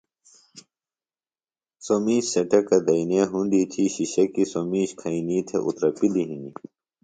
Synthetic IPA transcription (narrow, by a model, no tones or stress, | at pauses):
somiːɕsɐʈɐkːɐd̪ɐineːɦũnd̪it̪ʰiɕiɕɐkisomiːɕkʰɐiniːt̪ʰḛʔṵt̪ɾɐpiliɦĩni